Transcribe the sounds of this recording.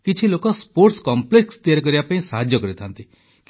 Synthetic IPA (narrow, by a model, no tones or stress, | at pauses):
kit͡ʃʰilokɔspoɾʈskɔmplekst̪ijaɾk̬ɔɾibapaĩsaɦad͡ʒjɔkɔɾit̪ʰant̪i | k